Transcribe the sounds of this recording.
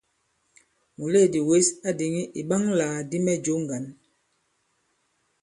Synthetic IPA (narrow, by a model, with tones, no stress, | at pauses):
mu˨le˦˨di˨we˦sa˦di˨ŋi˦ʔi˨ɓa˦ŋlaː˨di˦mɛ˦d͡ʒo˨˦ŋ˨ɡa˨n